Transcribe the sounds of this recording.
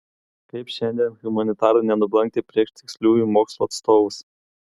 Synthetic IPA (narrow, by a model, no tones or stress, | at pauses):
kɐɪpʃʲɛnʲd̪ʲiɛnɣʊmɐnʲɪt̪ɑːɾɐɪnʲɛnʊblˠɐŋʲkt̪ʲepʲɾʲiɛʃt̪ʲɪksʲlʲuːjumoːkslˠuɐt̪st̪oːʋʊs